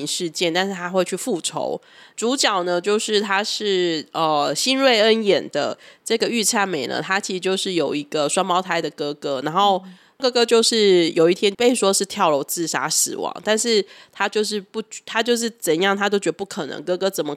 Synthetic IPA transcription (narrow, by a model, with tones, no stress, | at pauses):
ʂɻ̩˥˧t͡ɕjɛ˥˩nt̪a˥˧nʂɻ̩˥˩t̪ʰa˥xwe˥˧ɪt͡ɕʰy˥˧fu˥˩ʈ͡ʂʰo̰˧˥ʊ | ʈ͡ʂu˧˥t͡ɕjɑ˨˩ʊnə˦t͡ɕjo˥˧ʊʂɻ̩˥˩t̪ʰa˥ʂɻ̩˥˩ə˩ɕi˥nɻwe˥˩ɪə˦˥njɛ˨˩nd̪ə̰˦ʈ͡ʂɤ˥˩ɡə˩y˥˧t͡sʰa˥˩nme˨˩ɪnə̰˩˦t̪ʰa˥t͡ɕʰi˧˥ʂɻ̩˧t͡ɕjo˥˧ʊʂɻ̩˥˩jo˨˩ʊi˧˥ɡ̥ə˧ʂwa˥npɑ˧˥ʊt̪ʰa˧˥ɪd̪ə˨kɤ˥kɤ˥na˧˥nxo˥˩ʊ | kɤ˥kɤ˥t͡ɕjo˥˧ʊʂɻ̩˥˩jo˨˩ʊi˥˩t̪ʰjɛ˥npe˥˩ɪʂwɔ˥ʂɻ̩˥˧t̪ʰjɑ˥˩ʊlo˧˥ʊt͡sɹ̩˥˩ʂa̰˥sɹ̩˨˩wɑ̰˧˥ŋt̪a˥˧nʂɻ̩˥˩t̪ʰa˥t͡ɕjo˥˧ʊʂ̬ɻ̩˥˧pu˥˩t͡ɕt̪ʰa˥t͡ɕjo˥˧ʊʂ̬ɻ̩˥˩t͡sə˨˩njɑ˥˩ŋt̪ʰa˥t͡ɕjo˥˩t͡ɕɥɛ˧˥d̪ə˩pu˥˩kʰɤ˨˩nɤ̰˧˦ŋkɤ˥kɤ˥t͡sə˨˩nmə˦